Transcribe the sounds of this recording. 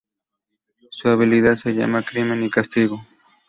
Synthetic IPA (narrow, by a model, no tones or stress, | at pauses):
suaβɪliðasaʎa̰makɾɪmenɪkast̪ɪɣo